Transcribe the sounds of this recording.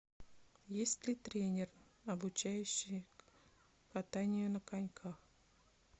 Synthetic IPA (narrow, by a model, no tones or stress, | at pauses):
jesʲtʲlʲɪt̪ɾʲenʲɪr | ɐbʊt͡ɕæjʉɕːɪj | kat̪anʲɪjʊnəkanʲkʰax